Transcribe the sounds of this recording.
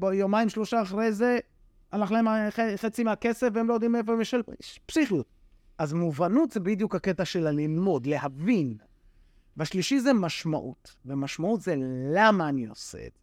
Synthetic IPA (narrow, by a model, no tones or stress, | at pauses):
bjomaimʃlo̞ʃaːχʁejze | anaχlaemaχeχet͡simeakesefveemlojod̪imefomeʃelɛʃpsiχjut̪̚ | ʔazmuvanut̪zebid̪jukhaket̪aʃe̞lalilmo̞d̪lehavin | veaʃliʃizemaʃma̰ʔṵt̪vemaʃmaut̪zelamaːniosḛḛd̥e